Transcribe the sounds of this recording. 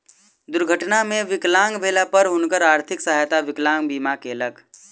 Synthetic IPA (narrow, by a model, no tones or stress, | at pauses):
d̪ʊɾɡʱəʈnamẽʋɪklaːŋɡbʱeːlapəɾɦʊnkəɾaːɾt̪ʰɪksəɦajt̪aʋɪklãːŋɡbiːmakeləɡ